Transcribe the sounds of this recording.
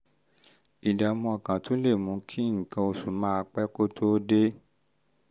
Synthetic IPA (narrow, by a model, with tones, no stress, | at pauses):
i˨da˨mɔ̃˧a˨kã˨tʰo˨˦le˦˨mũ˨˦kʰi˦ŋ̩˨kã˧o˧su˨mãː˦˧k͡pɛ˦ko˦tʰo˦de˦